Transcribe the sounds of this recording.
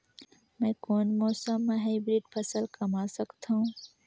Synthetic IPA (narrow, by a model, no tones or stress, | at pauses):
mɛ̃ːkoːnmɔːsəmːẽɦaɪbɾiɖpʰɐsəlkɐmasɐkt̪aɦũː